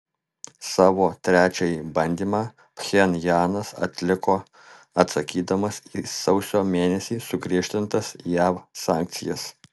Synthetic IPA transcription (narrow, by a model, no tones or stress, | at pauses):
sɑːʋoːt̪ʲɾʲæːt͡ʃʲɛjibɐnʲd̪ʲiːmɑː | pxʲɛnjɑːnɐsɐ̰t̪ʲlʲɪkoː | ɐt̪sɐkʲiːd̪ɐmɐsisɒʊsʲoːmʲeːnʲɛsʲiːsʊɡɾʲiːʃʲt̪ʲɪnt̪ɐsjæːʋsɑːˑŋk̚t̪sʲɪ̰jɛs